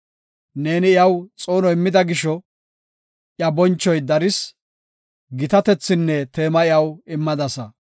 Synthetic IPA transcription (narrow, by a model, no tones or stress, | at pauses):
neːnɪɪjɐwt͡sʼo̞ːnɔɪmːɪd̪ɐɡɪʃɔ | ʔjɐbɔnt͡ʃːɔjd̪ɐɾɪs | ɡɪt̪ɐt̪ɛt͡sːɪnːɛt̪e̞ːmɐɪjɐwɪmːɐd̪ɐsɐ